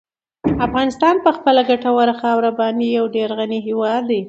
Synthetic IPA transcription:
afɣɑnɪst̪ɑnpəxpəlaɡaʈawaɾaxɑwɾabɑnijawɖeɾɣaniɦiwɑd̪ːi

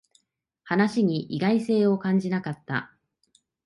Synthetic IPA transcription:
hanaɕiɲ̟iʔiɡaise̞ːo̞kãɲ̟d͡ʑinakat̪ːa̰

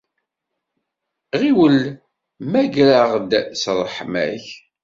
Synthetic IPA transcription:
ʁiwəl | mæɡɾaʁd̪sɾˤəħmæ̰ç

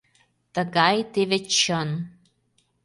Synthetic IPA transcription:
t̪əɡɑjt̪evĕt͡ɕən

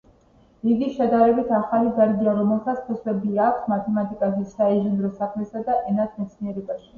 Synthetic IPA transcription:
iɡiʃad̪aɾɛbit̪ʰaχalibaɾɡiaɾɔmɛlˠsat̪sʰpʰɔswɛbiakʰsmat̪ʰɛmat̪ʼikʼazɛsaɛʒɛnd̪ɾɔsakʰmɛsad̪aʔɛnat̪ʰmɛt̪sʰniɛɾɛbaʃi̥

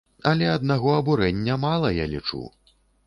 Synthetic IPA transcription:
ɐlʲɛɐd̪̚naɣɔɐbuɾɛnʲːɐmalˠɐjalʲit͡ʂṵ

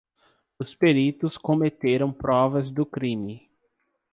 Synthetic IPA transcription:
ʊspeɾit̪ʊskõmet̪eɾɐ̃w̃pɾɔvɐzd̪ʊkɾĩmɪ

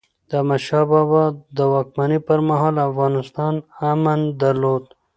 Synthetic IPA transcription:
d̪̥əmaʃɑbɑbɑd̪əwɑk̚manipəɾmaɦɑːlafɣɑnɪst̪ɑnamand̪aɾlod̪

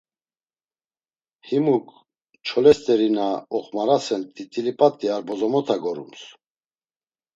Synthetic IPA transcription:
himuk | t͡ʃʰɔlɛst̪ʼɛɾinaɔχmaɾasɛnt̪ʼit̪ʼilipʼat̪ʼːiaɾbɔzɔmɔt̪ʰaɡɔɾṵms

